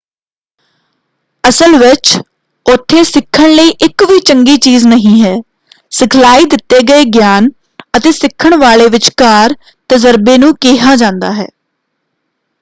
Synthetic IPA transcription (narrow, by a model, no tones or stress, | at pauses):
əsəlʋɪt͡ʃ | ʊt̪ʰːẽːsɪkʰːəɳləiːʔɪkʋiːt͡ʃəŋɡiːt͡ʃiːznəɦĩːɦɛː | sɪkʰlaːiːd̪ɪt̪ːeːɡəeːɡjaːn | ət̪eːsɪkʰːəɳʋaːleːʋɪt͡ʃkaːɾ | t̪əzəɾbeːnũːkeːɦaːd͡ʒãːnd̪aːɦɛ̰ː